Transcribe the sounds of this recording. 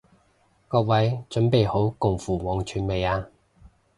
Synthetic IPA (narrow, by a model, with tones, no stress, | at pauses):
kɔː˧k̚wɐ˨˥jt͡ʃɵ˨˥npe˨jho˨˥wkʊ˨˩ŋfuː˨˩wɔː˨˥ŋt͡ʃʰyː˨˥nme˨˧jaː˧